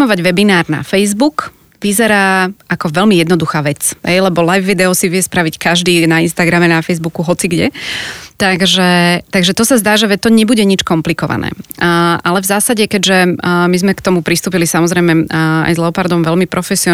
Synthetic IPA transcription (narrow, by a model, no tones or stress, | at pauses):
mɔʋaɟʋɛbinaːɾna̰fɛjzbuk | ʋizɛɾaːakɔʋɛlmijɛd̪nɔd̪uxaːʋɛt͡sɦɛ̰jlɛbɔlajvʋid̪ɛɔsiʋɪɛspɾaʋickaʒd̪iːnainst̪aɡɾamɛnafɛjzbukuɦɔt͡siɡɟɛ̰t̪aɡʒɛt̪aɡʒɛt̪ɔsazd̪aːʒɛʋɛt̪ɔɲɛbuɟɛɲit͡ʃkɔmplikɔʋa̰nɛ̰ːʔalɛvzaːsaɟɛkɛɟʒɛmizmɛkt̪ɔmupɾist̪uːpilisamɔzɾɛjmɛa̰jzlɛɔpaɾd̪ɔmʋɛlmipɾʔɔfɛsiɔ